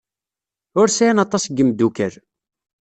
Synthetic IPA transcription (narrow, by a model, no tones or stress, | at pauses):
ʊɾsæjænɑt̪ˤːɑsɡəmd̪ukəɾ